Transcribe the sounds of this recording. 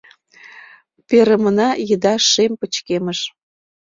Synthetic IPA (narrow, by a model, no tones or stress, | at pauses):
peɾəmənɑjəd̪ɑʃempət͡ɕkeməʃ